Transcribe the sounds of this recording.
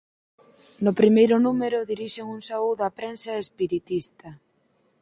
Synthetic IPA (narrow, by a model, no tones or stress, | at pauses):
nʊpɾimejɾʊnumeɾʊðiɾiʃeŋuŋsauðapɾensaespiɾit̪ist̪ɐ